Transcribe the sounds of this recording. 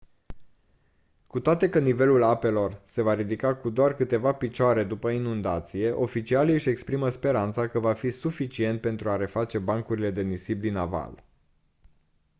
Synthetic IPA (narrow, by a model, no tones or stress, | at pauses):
kut̪oat̪e̞kənive̞lulape̞lo̞rse̞vaɾid̪ikakud̪oarkɨt̪e̞vapit͡ʃoaɾe̞d̪upəinund̪at̪sije̞ʔo̞fit͡ʃialiɨʃʲe̞kspɾiməspe̞ɾant̪sakəvafisufit͡ʃie̞nt̪̚pe̞nt̪ɾuaɾe̞fat͡ʃe̞baŋkuɾile̞d̪e̞nisibd̪inava̰l